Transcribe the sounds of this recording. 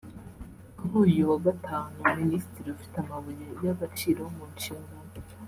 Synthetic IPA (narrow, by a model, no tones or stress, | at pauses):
kuɾuːjuwaɡataːnuminisi̥tiɾiufi̥teamaβujejaɡat͡ʃiːɾoomuːɲt͡ʃiŋɡo